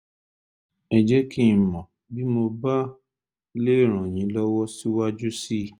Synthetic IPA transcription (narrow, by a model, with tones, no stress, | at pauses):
ɛ˨d͡ʒɛ˦kʰi˦˨mɔ̃˨ | bi˦mo˧ba˦ | le˦i˦˨ɾ̃ã˨j̃ĩ˨˦lɔ˦wɔ˦si˦wa˦d͡ʒu˦si˦˨